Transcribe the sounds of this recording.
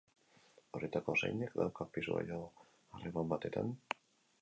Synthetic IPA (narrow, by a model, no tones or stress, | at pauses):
oɾet̪ako̞sa̰jnekd̪awkapisua̰jo | aremambat̪e̞t̪a̰n